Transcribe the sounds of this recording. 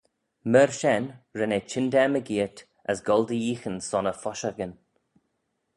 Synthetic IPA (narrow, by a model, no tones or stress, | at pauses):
məɹʃɛnɹɛnet͡ʃʰɪndɛməɡiːət | əsɡɔldəjiːxənsɔnəfɔʃaɡən